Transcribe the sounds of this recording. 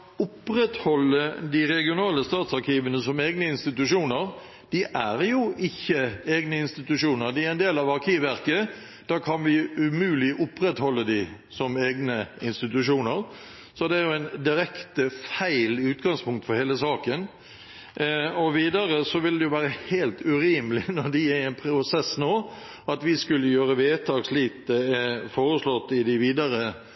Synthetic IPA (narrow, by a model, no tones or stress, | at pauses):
ʊpɾɛt̪hɔlːəd̪ɪɾɛɡɪʊnɑːləst̪ɑːt̪sɑɾkʰiːʋənəsɔmeːɡnəɪnst̪ɪt̪ʉʂuːnəɾ | d̪̥ɪʔæɾjʊʔɪçːəeːɡnəɪnst̪ɪt̪ʉʂuːnəɾd̪ɪæɾɛnd̪eːlɑʋɑɾkʰiːʋæɾkə | d̪̥æːkʰɑnʋɪʉmʉːlɪʔʊpɾɛt̪hɔlːəd̪ɪ | sɔmeːɡnəɪnst̪ɪt̪ʉʃuːnəɾ | sɔd̪ɛæɾjʊɛnd̪ɪɾɛkt̪əfæɪlʉːt̪ɡɑŋspʰʊŋkt̪fɔɾheːləsɑːkən | ɔʋiːd̪ɑɾəsɔʋɪld̪ɛjʊʋæːɾəheːlt̪ʉɾiːməlɪnɔɾd̪ɪæɛnpʰɾʊsɛsnoː | ɑt̪ʋɪskʉlːəjøːɾəʋeːt̪ʰɑːɡsliːt̪̚d̪əɛfoːɾəslɔt̪ːɪd̪ɪʋiːd̪ɑɾə